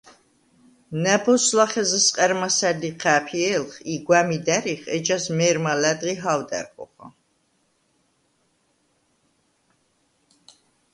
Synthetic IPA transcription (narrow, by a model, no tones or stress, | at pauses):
næbɔslaχɛzɛsqʼɛɾmasæd̪iqʰæpʰiɛlχiɡwæmid̪æɾiχɛt͡ʃasmɛɾmalæd̪ʁiɦawd̪ɛ̰ɾqʼɔ̰χa̰